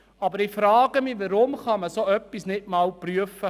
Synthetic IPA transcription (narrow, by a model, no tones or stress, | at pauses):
ɑbəɾifɾɑːɡ̥əmiʋəɾʊmχɑməsoœpːisnɪtmɑːlpryəfə